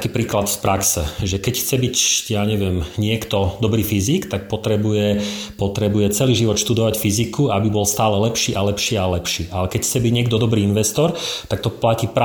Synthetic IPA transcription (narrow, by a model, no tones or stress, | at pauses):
kiːpɾiːklat̪spɾaksɛ̰ʒɛkɛcxt͡sɛbicjaːɲɛʋɪɛmɲɪɛkt̪ɔd̪ɔbɾiːfizikt̪ak̚pɔt̪ɾɛbujɛpɔt̪ɾɛbujɛt͡sɛliːʒiʋɔt̪ʃt̪ud̪ɔʋacfizikʰuabibɔlst̪aːlɛlɛpʃiːʔalɛpʃiːalɛpʃiːʔalɛkɛcxt͡sɛbiɟɲɪɛɡd̪ɔd̪ɔbɾiːinʋɛst̪ɔɾt̪ak̚t̪ɔplaciːpɾ